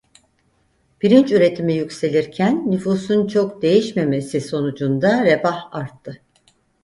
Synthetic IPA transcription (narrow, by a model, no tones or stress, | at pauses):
b̥iɾint͡ʃyɾe̞t̪ʰimijycʲse̞lʲiɾcʰænːyfuːsunt͡ʃʰo̞kd̪e̞jiʃme̞me̞siso̞nud͡ʒund̪aɾebahaɾt̪ʰːɯ